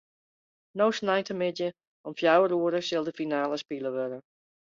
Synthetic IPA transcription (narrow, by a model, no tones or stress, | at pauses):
nowsnajtəmɪtjə | ɔmfjawəruəɾəsɪlˠdəfinaːləspiləʋøɾə